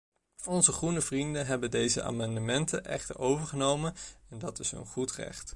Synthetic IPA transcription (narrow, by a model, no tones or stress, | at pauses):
ɔnzəχrunəvrindənɦɛbəndejzə̰ʔa̰ːmɑndəmɛntə̰nʔɛχtə̰ɹowvəɹχənowmənɛndɑtɪsə̰nχutrɛ̰χt